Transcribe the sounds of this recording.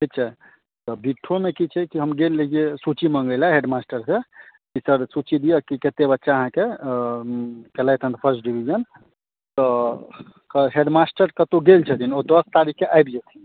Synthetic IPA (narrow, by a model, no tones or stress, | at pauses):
ʈʰik̚t͡ʃʰɛ | t̪ɔbiʈʰːomekit͡ʃʰɛkiɦəmɡelːed͡ʒiesut͡ʃiməŋɡəɪlaɦeɖmasʈəɾsekisəɾsut͡ʃid̪ijəkiket̪ebətːʃaəɦãke | kelajt̪ʰə̃nd̪pʰəɾsʈɖibʱid͡ʒən | t̪ɔ | kəɦeɖmasʈəɾkət̪oɡelt͡ʃʰət̪ʰinod̪əst̪aɾikʰːeʔajbd͡ʒɛt̪ʰin